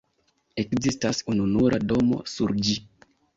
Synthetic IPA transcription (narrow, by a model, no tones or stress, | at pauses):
e̞kzistasununuɾʔado̞mo̞̰suɾd͡ʒi